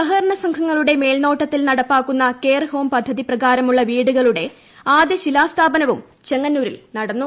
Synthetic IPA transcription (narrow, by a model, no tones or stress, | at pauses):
ɐɦɐɾɐɳɐsɐŋkʰɐŋːɐɭuɽe̞me̞ːlno̞ːʈːɐt̪ːilnɐɽɐpːaːkːunːɐke̞ːrho̞ːmpɐd̪ʱːɐðiprɐɣaːɾɐmuɭːɐʋiːɽuɣɐɭuɽe̞ | aːd̪jɐɕilaːst̪ʰaːbɐnɐʋum | t͡ɕe̞ŋːɐnːuːɾḭlnɐɽɐnːu